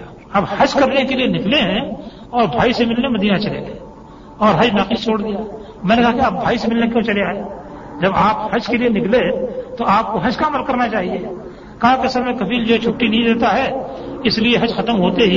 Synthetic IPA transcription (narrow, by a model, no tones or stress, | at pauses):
ɐbhɐd͡ʒkɐɾnekelienɪkleɦɛ̃ | ɔːɾbʱaːisemɪlnemɐd̪iːnat͡ʃɐlḛɡɐe | ɔːɾɦɐd͡ʒnaːqist͡ʃʰoːɽd̪ijaː | mɛ̃ːnekɐɦakiaːp̚bʱaːisemɪlnekjõːt͡ʃɐleaːeːd͡ʒɐbaːphɐd͡ʒkelienɪklet̪oaːp̚koɦɐd͡ʒkaɐməlkɐɾnat͡ʃaːɦie | kãkeɐsəɾmẽkɐbʱiːld͡ʒoɦɛt͡ʃʰʊkːinɐɦĩd̪eːt̪aɦɛːɪslieɦɐd͡ʒxɐt̪əmɦoːt̪eɦi